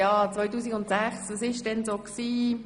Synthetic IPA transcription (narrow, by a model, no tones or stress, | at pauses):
ɑːt͡sʋɔjtuːsikʊntsæχsʋɑsɪʃdɛnsoːksiː